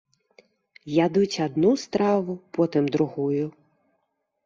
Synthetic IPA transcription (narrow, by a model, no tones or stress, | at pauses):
jad̪ut͡sʲɐd̪nust̪ɾɑʋʊpɔt̪ɪmd̪ɾʊɦujʊ